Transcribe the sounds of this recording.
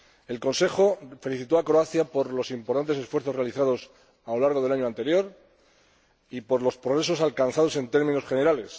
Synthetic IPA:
e̞lko̞nse̞χo̞fe̞liθit̪o̞akɾoaθjapo̞ɾlo̞simpoɾt̪ant̪e̞se̞sfweɾθo̞re̞aliθaðo̞s | awlaɾɣ̞o̞ðelaɲoãnt̪e̞ɾjo̞ɾ | ipo̞ɾlo̞spɾoɣ̞ɾe̞so̞salkanθað̞o̞se̞nt̪e̞ɾmĩnosχe̞ne̞ɾale̞s

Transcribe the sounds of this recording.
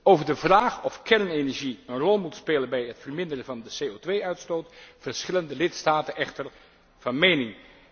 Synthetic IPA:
owvəɹdəvraːχɔfkɛɹnejnɛɹʒiənrɔlˠmutspeːlənbɛjɦətfərmɪndərəvɑndəsejowtʋejœɥtstowtfəɹsχɪləndəlɪtstaːtənʔɛχtəɹ | vɑnmejnɪŋ

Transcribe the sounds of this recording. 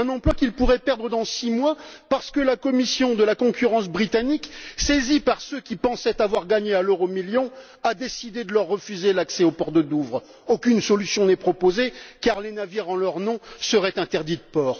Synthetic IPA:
ɛ̃nɑ̃plwakʲilpuʁɛpɛʁd̪ʁəd̪ɑ̃simwapaʁsə̥kəlakɔmisjɔ̃d̪əlakɔ̃kʲyʁɑ̃s̬bʁit̪aniksezipaʁsøkʲipɑ̃sɛt̪avwaʁɡaɲealøʁomiljɔ̃ | ad̪esid̪ed̪əlœʁːəfyzelaksɛopɔʁt̪əd̪uvʁ | okʲynsɔlysjɔ̃nɛpχɔpozekaʁlenaviʁɑ̃lœʁnɔ̃səʁɛt̪ɛ̃t̪ɛʁd̪it̪əpɔːʁ

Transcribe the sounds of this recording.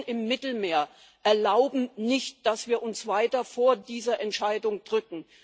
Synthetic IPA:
nɪmːɪtl̩meːɐ | ʔɛɐlaʊbm̩nɪçt̚d̥asv̥iːɐʔʊnsv̥aɪtɐfoːɐdiːzɐʔɛntʃaɪdʊŋd̥ʁʏkŋ̩

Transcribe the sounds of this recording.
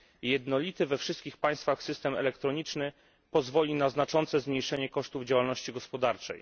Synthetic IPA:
jɛd̪nɔlʲit̪ɘvɛfʂɘst̪̚kʲixpaj̃st̪faxsɘst̪ɛmɛ̰lɛkt̪ɾɔɲit͡ʂnɘ | pɔzvɔlʲinaznat͡ʂɔnt̪sɛzmɲejʂɛɲɛkɔʂt̪uvd͡ʑawalnɔɕt͡ɕiɡɔspɔd̪aɾt͡ʂɛ̰j

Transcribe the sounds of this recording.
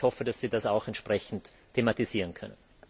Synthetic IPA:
hɔfədasz̥iːdasaʊxɛntʃpʁ̥ɛçn̩tʰːematiziːʁənkʰœnən

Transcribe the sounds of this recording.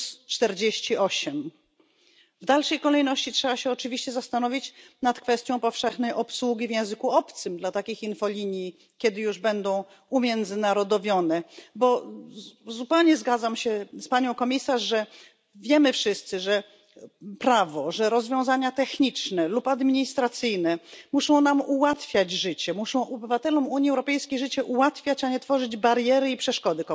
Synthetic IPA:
st͡ʂt̪ɛɾd͡ʑeɕt͡ɕiɔɕɛm | vd̪alʂɛjkɔlɛjnɔɕt͡ɕitʂɛbaɕɛɔt͡ʂɘvʲiɕt͡ɕɛzast̪anɔvʲit͡ɕnat̪kfɛst̪ʲjɔ̃w̃pɔfʂɛxnɛjʔɔpswuɡʲivjɛ̃w̃zɘkuɔpt̪sɘmd̪lat̪akʲixinfɔlʲiɲji | kʲjɛd̪ɘjuʐbɛnd̪ɔ̃w̃ | umʲjɛnd̪zɘnaɾɔd̪ɔvʲjɔnɛbɔ | zupɛwɲɛzɡad̪zamɕɛspaɲɔ̃w̃kɔmʲisaʂʐɛ | vʲjɛmɘfʂɘst̪sɘʐɛ | pɾavɔʐɛɾɔzvʲjɔ̃w̃zaɲat̪ɛxɲit͡ʂnɛlupad̪mʲiɲist̪ɾat̪sɘjnɛmuʂɔ̃w̃namuwat̪fʲjad͡ʑʐɘt͡ɕɛmuʂɔ̃w̃ʔɔbɘvat̪ɛlɔmuɲjiɛwɾɔpɛjskʲejʐɘt͡ɕɛʔuwat̪fʲjat͡ɕaɲɛt̪fɔʐɘd͡ʑbaɾjɛɾɘipʂɛʂkɔd̪ɘk

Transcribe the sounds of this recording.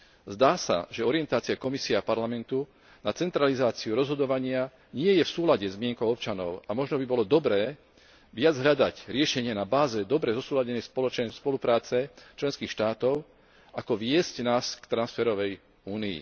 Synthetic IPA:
zd̪aːsa̰ʒɛɔɾɪɛnt̪aːt͡siakɔmisiɛapaɾlamɛnt̪u | nat͡sɛnt̪ɾalizaːt͡siuɾɔzɦɔd̪ɔʋaɲɪa | ɲɪɛjɛfsuːlaɟɛzmɪɛŋkɔʊɔp̚t͡ʃanɔ̰ʊamɔʒnɔbibɔlɔd̪ɔbɾɛː | ʋɪad͡zɦlʎad̪acɾɪɛʃɛɲɪɛnabaːzɛd̪ɔbɾɛzɔsuːlaɟɛnɛjspɔlɔt͡ʃnɛspɔlupɾaːt͡sɛt͡ʃlɛnskiːxʃt̪aːt̪ɔʊ | akɔʋɪɛscnaːskt̪ɾansfɛɾɔʋɛj | uːniḭ

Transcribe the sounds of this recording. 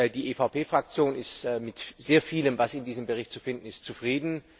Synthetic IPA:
diːʔeːfaʊpeːfʁ̥ak̚t͡sjoːnɪstːmɪtz̥eːɐfiːləmvasɪndiːzəmbəʁɪçt̚t͡sufɪndn̩ɪstt͡sufʁ̥iːdn̩

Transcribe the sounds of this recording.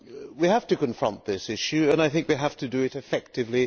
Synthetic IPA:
wihæftɨkɨ̃ɱfɹʌ̰̃nðɪsɪʃʉɨ̃naɪθɪ̃ŋkwiɦæftɨdɨɪɾɨfɛk̚tɨvli

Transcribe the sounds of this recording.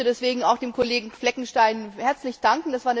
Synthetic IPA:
ədɛsv̥eːɡŋ̩aʊxd̥eːmkʰoleːɡŋ̩flɛkŋ̩ʃtaɪnhɛɐt͡slɪçd̥aŋkŋ̩d̥asv̥aːɐnə

